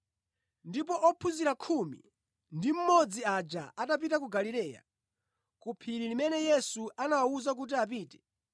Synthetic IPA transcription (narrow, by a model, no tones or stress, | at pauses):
ndipɔʔɔpʰuziɾakʰumḭ | ndim̩mɔd͡ziad͡ʒaʔatap̬itak̬uɡalilɛːja̰ | kupʰiɾilimɛnɛjɛsuʔanawauzak̬ut̬iap̬iːtɛ̥